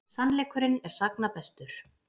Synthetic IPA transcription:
sanlɛːkʏɾɪnɛɾ̥saknapɛst̪ʏɾ̥

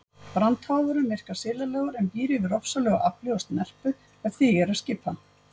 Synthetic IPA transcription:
pɾant̪haːwðʏɾʏmɪr̥kasɪːlalɛːɣʏɾɛmpiːɾɪvɪɾɔfsalœːɣa̰ʔaplɔɣast̪mɛr̥pʏ | ɛðθiːɣɛɾaðscɪːpa

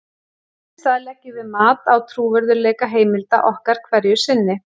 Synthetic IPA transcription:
θaðlɛcːɪvɪmaːt̪awt̪ʰɾuːvɛɾðʏɾlɛːjkaɦeːjmɪlt̪a̰ʔɔhkaɾ̥kʰvɛɾjʏsɪnːɪ

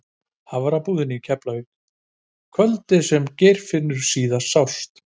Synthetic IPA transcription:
haðvaɾawpuːðɪnɪicʰɛplaɣʏ | kʰœlt̪ɪsɛmcɛjɾ̥fɪnːʏɾ̥siːðasawst̪

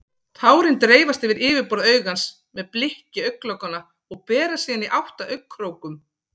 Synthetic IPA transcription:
t̪ʰaːwɾɪnt̪ɾeːjvast̪ɪvɪɾɪːvɪɾpɔɾðaœːɥɣans | mɛðplɪhcɪœɥkːlœkana | ɔɣpɛːɾasiːaniʔawht̪aʔœɥkʰːɾoːwkʏm

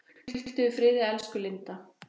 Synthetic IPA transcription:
l̥t̪ɪvɪfɾɪːðɪɛlskʏlɪnt̪a

